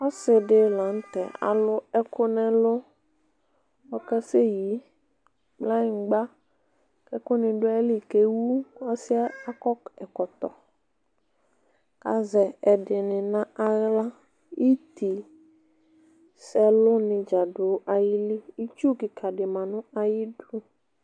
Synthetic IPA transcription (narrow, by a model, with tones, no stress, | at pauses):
ɔ˦sɪ˨dɪ˨lã˨˦n̩˦t̪ɛ̰˨a̰˨lʊ˦ɛ˦kʰʊ˦nɛ˦lʊ˦ | ɔ˦kɛ˦se˦ji˨˦ | k͡pla˦ɪ˨ŋ˨ɡ͡ba˦ | kɛ˦kʊ˦nɪ̃˨dʊ˦ɛ˦li˨ke˨wu˦ɔ˦sɪ˦a˦a˦kɔ˦kɛ˨kɔ˨t̪ɔ̰˨ | ka̰˨zɛ˨ɛ˨dɪ˨nɪ̃˨nã˦a˦ɣla˦ | i˦t̪i˨ | sɛ˨lʊ˦nɪ˨d͡ʒa˨dʊ˨˦ʔa˨jɪ˦li˦i˦t͡ʃu˦kɪ˨kʰa˨dɪ˨mã˨nʊ̃˦a˨jɪ˦du˦